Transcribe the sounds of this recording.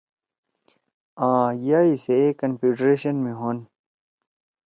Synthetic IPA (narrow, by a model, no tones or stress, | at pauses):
ãːjaːisekɐnpʰiːɖɾeːɕənmĩɦoːn